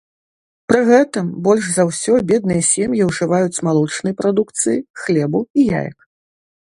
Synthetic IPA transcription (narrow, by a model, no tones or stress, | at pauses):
pɾɨɣɛt̪ɨmbɔlʲʐzawsʲɔbʲɛd̪̚nɨjɐsʲemjiwʐɨvajut͡sʲmalˠut͡ʂnɨjɐpɾad̪ukt̪sɨjixlʲɛbuija̰jɐ̰k